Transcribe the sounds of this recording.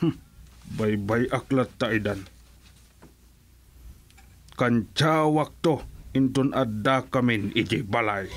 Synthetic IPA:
bajbajʔaklat̪ːaid̪an | kant͡ʃawak̚t̪oɪnt̪ʊnad̪ːakamɪnɪd͡ʒibalaj

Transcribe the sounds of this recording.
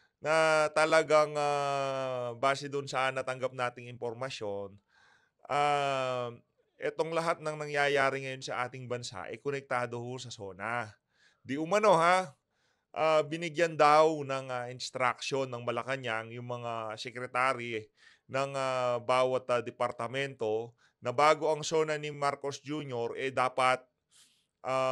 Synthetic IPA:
nɐt̪ɐlɐɡaŋa | baːsɛd̪ʊnsɐʔnːɐt̪ɐŋɡap̚naːt̪ɪŋɪmpoɾmɐsjo̞n | ʔa | ʔɛt̪o̞ŋlɐɦat̪̚nɐŋnɐŋjaːjaːɾɪŋɐjo̞nsɐʔaːt̪ɪŋbɐnsa̰ʔɛ̰jkonɛk̚t̪aːd̪o̞hosɐso̞ːna | d̪ɪʔʊmɐno̞ha | ʔabɪnɪɡjɐnd̪awnɐŋɐʔɪnst̪ɾak̚ʃo̞nːɐŋmɐlɐkɐɲaŋjʊŋmɐŋasɛkɾɛt̪aːɾi | nɐŋabaːwɐt̪ːɐd̪ɛpɐɾt̪ɐmɛnt̪o̞ | nɐbaːɡo̞ʔɐŋso̞ːnɐnɪmaɾko̞sd͡ʒuːɲo̞ɾʔɛd̪aːpɐt̪̚ | ʔa

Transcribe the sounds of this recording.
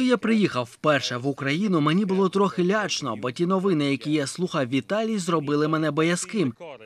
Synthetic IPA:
japɾɪjixɐwwpɛrʃɛʋʊkɾɐjin̪ʊmenʲibʊlˠɔt̪ɾɔxɪlʲɑt͡ʃnɔbɔtʲin̪ɔʋɪnɪjɐkʲijaslˠuxɐwʋʲit̪ɑlʲijzrɔbɪlˠɪmɛnɛbɔjɐskɪm

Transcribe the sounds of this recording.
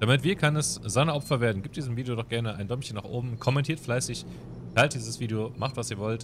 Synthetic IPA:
d̥amɪtv̥iːɐkʰanɛsz̥aɪnɐɔpfɐveːɐdn̩ɡiːp̚td̥iːzəmviːdejoɾɔχɡ̥ɛɐnəa̰ɪndɔmçənːaːχʔo̰ːbm̩kʰɔmɛntʰiːɐtflaɪsɪç | tʰaɪltd̥iːzəsv̥iːdeomaχtv̥asiːɐvɔlt

